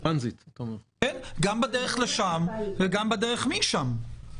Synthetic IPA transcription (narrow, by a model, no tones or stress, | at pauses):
anzit̪tomkɛnɡambedeʁeχleʃamveɡambedeʁeχmiʃam